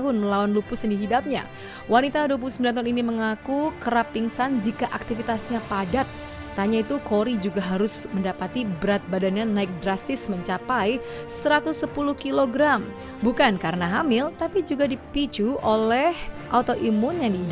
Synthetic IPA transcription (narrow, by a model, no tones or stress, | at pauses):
ɦʊnməlawanlupʊsjŋdiɦidap̚ɲa̰ | wanit̪aduwap̬ulusəmbilant̪aʊniniməŋakukəɾapːiŋsand͡ʒikaʔak̚t̪ifit̪asɲapadat̪̚ː | aɲait̪ukoɾid͡ʒuɡaɦaɾʊsməndapat̪ibəɾat̪̚badanɲanaɪk̚dɾast̪ɪsməɲt͡ʃapaj | səɾat̪ʊsːəpuluhkiloɡɾam | bukankaɾənaɦamɪlt̪apid͡ʒuɡadipit͡ʃuʔolɛhʔat̪oʔimʊnjaŋdi